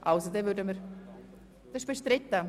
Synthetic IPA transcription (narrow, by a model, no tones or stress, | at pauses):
ʔaʊsod̪ɛvʏdəməɾ | d̥̪ɛʃb̥eʃt̪ɾɪt̪ːə